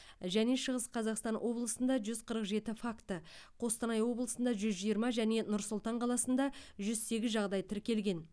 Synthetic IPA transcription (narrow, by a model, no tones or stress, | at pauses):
ʒæne̞ʃəʁəsqʰɑzɑqst̪ɑnwʔo̞blˠəsənd̪ɑʒʏzqʰəɾəqʒe̞t̪ɪfakt̪əqʰo̞st̪ɑnɑjwo̞blˠəsənd̪ɑʒʏzʒijəɾmɑʒæne̞nʊɾsʊlˠt̪ɑɴqʰɑlˠɑsənd̪ɑʒʏzse̞ɡʲɪzʒɑʁd̪ɑjt̪ʰɪɾkʲe̞lɡʲe̞n